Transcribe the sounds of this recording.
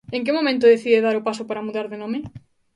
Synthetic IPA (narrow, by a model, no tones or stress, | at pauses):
eŋkɪmomẽnt̪ʊðeθiðeðaɾʊpasʊpaɾamuðaɾðenome